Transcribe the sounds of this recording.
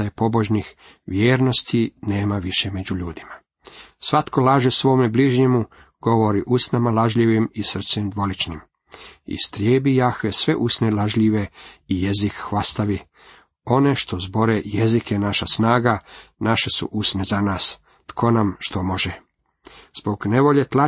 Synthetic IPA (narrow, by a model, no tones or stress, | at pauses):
aepo̞bo̞ʒnix | ʋjeːɾno̞st̪ʰine̞ːmaʋiʃeme̞d͡ʑuʎuːd̪ima | sʋat̪ko̞lˠaːʒesʋo̞ːmebliʒɲemu | ɡ̥o̞ʋo̞ɾiʔusnamalaʒʎiʋimisr̩t̪sɛmd̪ʋo̞lit͡ʃnim | ḭst̪ɾjeːbijaxʋesʋe̞ʔusnelaʒʎiʋe̞ije̞zikxʋast̪aʋi | o̞ne̞ʃt̪o̞zbo̞ɾejezikʰenaʃasnaːɡanaʃesṵʔusnezanaːs | t̪kʰo̞namʃt̪o̞mo̞ʒe | z̥boɡne̞ʋo̞ʎet̪la